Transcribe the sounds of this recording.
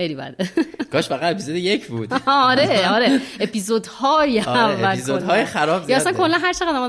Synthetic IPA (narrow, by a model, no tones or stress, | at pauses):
ejlibæ̰d̪eɡ̥ɒːʃfæɣæd̪epʰizod̪ejecʰbṵːd̪̥ɒɾeɒɾeepʰizod̪hɒːjeævːælzkod̪hɒːjexæɾɒːbzjæssænkʰolːænɦæɾt͡ʃʰeʁæd̪æmɒː